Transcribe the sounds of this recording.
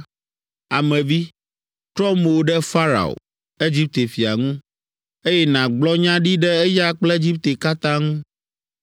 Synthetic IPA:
a˨mɛ̃˨vi˦ | t̪ɾɔ˦mo˨o˨˦ɖɛ˦fa˦ɾa̰˨o̰˨ | e˦d͡ʑi˦p̚t̪e˨fi˨a˨ŋũ˦ | e˦jɛ˦nã˨ɡ͡blɔ˦ɲã˦ɖi˦ɖɛ˦ɛ˦ja˦k͡plɛ˦d͡ʑi˦p̚t̪e˨ka˦t̪ã˦ŋũ˦

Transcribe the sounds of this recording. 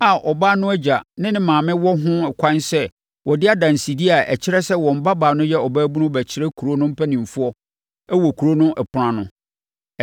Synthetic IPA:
a˨ʔɔ˨baː˦nʊ̃˦æ˦d͡ʑa˨nɪ̃˦nɪ̃˦mãː˨mɪ̃˦wɔ˦ɦʊ̃˦ɛ˨kʷʰã˦nsɛ˦ | wɔ˨dɪ˦a˦dã˨n˨si˨di˦a˨ʔæ̰˨t͡ɕʰɪ˦ɾɛ˦sɛ˦wɔ̃˨m̩˨˦ba˦baː˨nʊ̃˦jɛ˦ɔ˨baː˦bu˦nʊ̃˦bæ˨t͡ɕʰɪ˦ɾɛ˦kʰu˨ɾo˦nʊ̃˦m̩˦pʰæ˦nĩ˨m˨fʊ˦ɔ˦ | æ˦wɔ˨kʰu˨ɾo˦nʊ̃˦ʔɛ˨pʰʊ˨ɾã˨nʊ̰̃˨

